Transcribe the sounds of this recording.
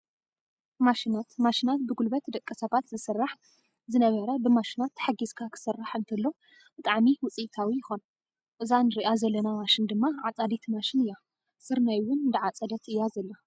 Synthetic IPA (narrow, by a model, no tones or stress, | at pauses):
maʃinat̪maʃinat̪̚bɨɡulbɐt̪d̪ɐkʼːɐsɐβat̪zɨsɨrːaħ | zɨnɐβɐɾɐbɨmaʃinat̪ːħaɡizkʰakʰɨ̥sɨrːaħɨnt̪ʰɨlːo | b̥ɨt̪ʼaʕmiwʊt͡sʼit̪ʰawijɪxo̞n | ʔʼɨzanɨɾiʔazɐlːɐnamaʃɪnd̪ɨmːaʕat͡sʼad̪it̪ʰmaʃɪnɨjːa | sɨɾnajwʊnd̪ɨʕat͡sʼɐd̪ɐt̪ɨjːazɐlːa